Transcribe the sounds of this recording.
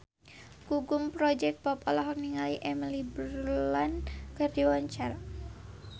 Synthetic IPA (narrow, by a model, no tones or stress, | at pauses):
kuɡʊmpɾɔd͡ʒɛk̚pɔpɔlɔɦɔk̚niŋaliʔɛmilibulankərdiwaɲt͡ʃaɾa